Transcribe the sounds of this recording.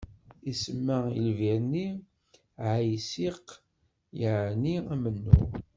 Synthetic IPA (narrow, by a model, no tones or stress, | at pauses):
isəmːailviɾnːi | ʕajsiq | jəʕniæmənːṵ